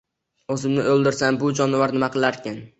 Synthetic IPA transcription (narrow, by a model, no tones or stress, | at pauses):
ɵzɪmnɪolˠd̪ɪɾsambʊd͡ʒɒnvaɾnɪmaqʰɨlˠaɾkʲan